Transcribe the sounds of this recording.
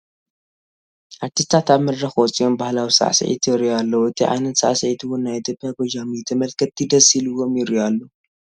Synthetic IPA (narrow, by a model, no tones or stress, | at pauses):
ʔat̪ʰːit̪ʰat̪aβmɐdɾɐxwɔt͡sʼio̞mbahlawisa̰ʕsɨ̰ʕḭt̪ʰjɪɾjalːɐwɨt̪ʰiʕa̰jnɐt̪sa̰ʕsɨʕit̪ʰuwʊnːajot̪ʰepʰʼːjaɡod͡ʒamit̪ʰɨmɐlkʰɐt̪ːid̪ɐsilɨwo̞mjɪɾjalːo